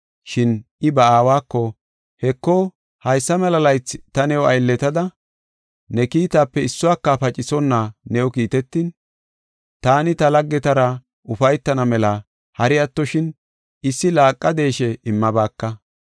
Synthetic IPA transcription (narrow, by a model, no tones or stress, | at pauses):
ʃɪnɪbɐaːwaːkːɔ | hɛkːo | hɐjsːɐmɛlɐlɐjt͡st̪ɐnɛwɐ̰jlːɛt̪ɐd̪ɐ | nɛkiːt̪aːpːɛɪsːʊwaːkːɐfɐt͡ʃʼɪsɔnːanɛɔkiːt̪ɛt̪ːiːn | t̪aːnɪt̪ɐlɐɡːɛt̪ɐɾɐ | ʔʊfɐjt̪ːɐnɐmɛlɐ | hɐɾɪjɐt̪ːɔʃɪn | ɪsːɪlaːkʼːɐd̪e̞ːʃɛɪmːɐbaːkːɐ